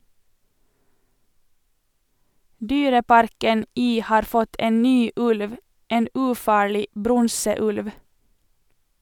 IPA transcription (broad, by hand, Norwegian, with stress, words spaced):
ˈdyːɾəˌpɑɾkən ˈiː ˈhɑːɾ ˈfɔt ˈeːn ˈnyː ˈʉlʋ ˈeːn ʉːˈfɑːɭɪ ˈbɾɔŋsəˌʉlʋ